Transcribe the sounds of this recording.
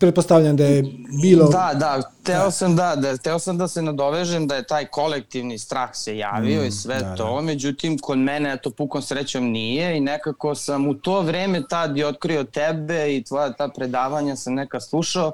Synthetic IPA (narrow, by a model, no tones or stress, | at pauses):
pɾet̪post̪aʋʎʲamd̪ajebiːlod̪ad̪at̪ɛosamd̪ad̪axt̪ɛosamd̪asenad̪o̞ʋeʒemd̪aje̞t̪aːjkʰo̞lek̚t̪iʋnist̪ɾaːxseja̰ːʋio̞isʋɛt̪ome̞d͡ʑut̪imkʰod̪mɛneɛt̪o̞pukomsɾet͡ɕomnijeinekako̞samut̪oːʋɾeːmet̪ad̪jeot̪kɾio̞t̪ɛbeit̪ʋojat̪aːpɾed̪aːʋaɲasamnɛkaslˠuʃao